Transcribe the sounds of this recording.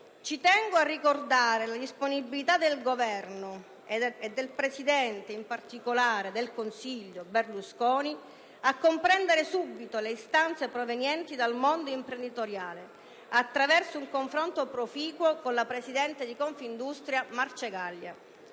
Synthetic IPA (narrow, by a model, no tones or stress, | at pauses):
t͡ʃit̪ɛŋɡoarːikord̪aːɾelad̪isponibilit̪ad̪elɡovɛrno | ed̪ːelpɾesid̪ɛnt̪eimpart̪ikolaːɾed̪elkonsiʎːoberluskɔːni | akːompɾɛnd̪eɾesubːit̪oleist̪ant̪sepɾovenjɛnt̪id̪almond̪oimpɾend̪it̪oɾjaːle | at̪ːɾavɛrsouŋkoɱfɾont̪opɾofiːkwokonlapɾesid̪ɛnt̪ed̪ikɔɱfind̪ust̪ɾjamart͡ʃeɡalːa̰